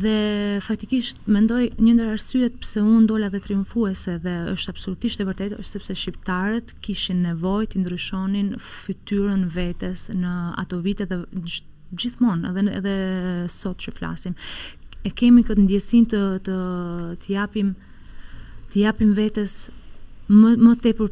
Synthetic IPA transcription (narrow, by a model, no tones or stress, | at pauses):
ðɛfak̚t̪ikiʃt̪mɛnd̪ɔjɲənd̪əɾaɾsyɛt̪̚pɾsɛund̪ɔlaðɛt̪ɾiuɱfuɛsɛðɛə̰ʃt̪absɔlut̪iʃt̪ɛvəɾt̪ɛt̪sɛpsɛʃipt̪aɾɛt̪kiʃinːɛvɔjt̪ənd̪ɾyʃɔninfyt̪yɾənvɛt̪ɛsnəa̰t̪ɔvit̪ɛðɛ | d͡ʑiθmɔnɛ̰ðɛɛ̰ðɛsɔt̪t͡ʃəfla̰simɛkɛmikət̪nd̪jɛsint̪ət̪ət̪japim | t̪əjapimvɛt̪ɛs | mət̪ɛpəɾ